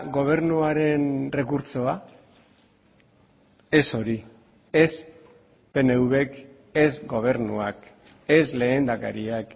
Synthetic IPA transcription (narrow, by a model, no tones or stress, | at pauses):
ɣo̞β̞e̞ɾnuaɾe̞nre̞kuɾt͡so̞a | e̞so̞ɾi | e̞s | pe̞ne̞uβe̞k | e̞zɡo̞β̞e̞ɾnuak | e̞sle̞ːnd̪aka̰ɾiak